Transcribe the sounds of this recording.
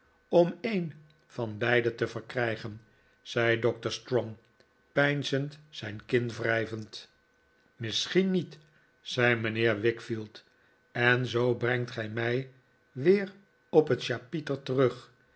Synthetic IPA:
ɔmejn | vɑnbɛjdətəvəɹkrɛjχən | z̥ɛjdɔk̚təɹstrɔŋ | pɛjnzəntsɛjnkɪnvrɛjvənt | mɪsχinːit | z̥ɛjmənɪːɹʋɪkfilˠt | ɛnzowbrɛŋtχɛjmɛj | ʋɪːr | ɔpətʃaːpitəltərɵχ

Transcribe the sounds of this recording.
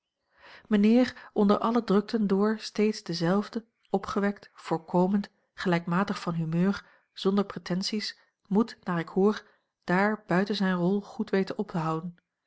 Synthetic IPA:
mənɪːrʔɔndəɹʔɑlədrɵk̚tʰəndʊːɹstejtzdəzɛlˠvdə | ɔpχəʋɛktv̥ʊːɹkowmənt | χəlɛjkmaːtəχfɑnɦymøːɹ | z̥ɔndəɹpretɛnsis | mutnaːɹɪkhuːr | d̥aːɹbœɥtənzɛjnrɔlˠχutʋejtənɔptəɦɑwdən

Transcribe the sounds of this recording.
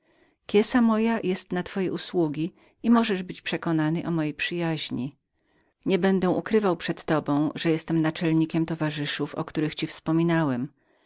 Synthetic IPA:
kʲjɛsamɔjajʔɛst̪nat̪fɔjɛuswuɡʲi | imɔʐɛʐbɘt͡ɕpʂɛkɔnanɘʔɔmɔjejpʂɘjaʑɲi | ɲɛbɛnd̪ɛ̃ʔukɾɘvawpʂɛt̪ːɔbɔ̃w̃ʐɛjɛst̪ɛmnat͡ʂɛlɲikʲɛmt̪ɔvaʐɘʂufɔ̰kt̪uɾɘxt͡ɕifspɔmʲinawɛm

